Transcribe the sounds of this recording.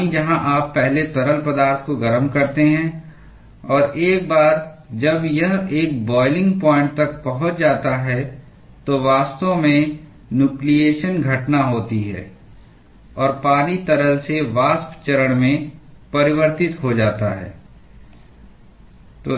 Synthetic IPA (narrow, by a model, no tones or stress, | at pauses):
id͡ʒɐɦãʔaːpːɛɦlet̪ɐɾəlpɐd̪aːɾt̪ʰkoɡɐɾəmkɐɾt̪eɦɛ̃ | ɔːɾʔeːk̚baːɾd͡ʒɐbjɐɦeːk̚bɔːɪlɪ̃ŋɡpɔ̃ːɪ̃ɳʈ̚t̪ɐk̚pɐɦʊt͡ʃd͡ʒaːt̪aɦɛ | t̪oʋaːst̪õmẽ | njuːklieːʃənɡʱɐʈnaɦoːt̪iɦɛ̰ː | ɔːɾpaːnit̪ɐɾəlseʋaːspt͡ʃɐɾəɽ̃mẽpɐɾɪʋəɾt̪ɪt̪ɦod͡ʒaːt̪a̰ɦɛ̰ː | t̪oː